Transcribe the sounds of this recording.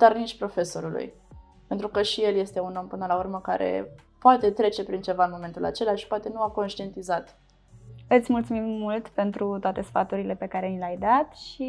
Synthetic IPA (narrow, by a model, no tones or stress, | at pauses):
d̪̥arniʃpɾo̞fe̞so̞ɾulṵj | pe̞nt̪ɾukəʃije̞lje̞st̪e̞uno̞mpɨnəlaurməka̰ɾe̞̰ | poat̪e̞t̪ɾe̞t͡ʃe̞pɾint͡ʃe̞vaɨnmo̞me̞nt̪ula̰t͡ʃe̞laʃi̥poat̪e̞nuako̞nʃt̪ie̞nt̪izat̪ | ɨt̪sʲmult̪sumimːult̪pe̞nt̪ɾut̪oat̪e̞sfat̪uɾile̞pe̞kaɾe̞nilʲajd̪at̪ʃi